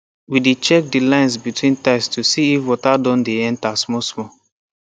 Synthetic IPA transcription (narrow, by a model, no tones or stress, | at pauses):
widet͡ʃɛk̚dilãɪ̃ns̬bitwĩntaɪstusiifwɔtadɔ̃ndeɛ̃ntasmɔsmɔ